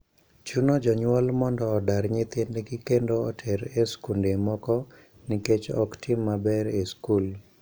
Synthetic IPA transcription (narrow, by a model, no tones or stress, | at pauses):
t͡ʃunod͡ʒɔɲwɔlmɔndɔːdaɾɲɪt̪endeɡikendoɔtʰɛɾeskundemɔkɔ | niket͡ʃɔ̰ktʰimːabɛɾeskul